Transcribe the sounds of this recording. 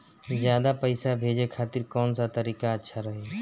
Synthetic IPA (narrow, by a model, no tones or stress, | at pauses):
d͡ʒjaːd̪apəɪsabʱeːd͡ʒekʰaːt̪iɾkɔːnsat̪əɾiːkaətːʃʰaɾəɦe